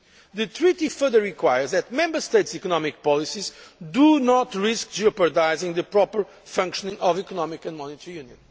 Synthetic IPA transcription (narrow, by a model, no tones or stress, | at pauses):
ðɨt̪ɾit̪ifə˞ðəːikwajə˞zðɛt̪̚mɛ̃mbəst̪ejtsikɔnɔmik̚pɔlˠisizd̪unɔt̪ɹisk̚d͡ʒɔpəd̪ajzĩŋðɨpɾɔpə˞ | fɐ̃ŋkʃɔnĩŋɔvikɔnɔmikɐ̃nmɔnit̪əɹijũnjɨ̃n